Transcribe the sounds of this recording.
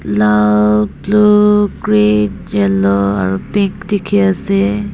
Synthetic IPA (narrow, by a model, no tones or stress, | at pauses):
lalblukɹedjɛlɔa̰ɹupiŋkdikʰiasɛ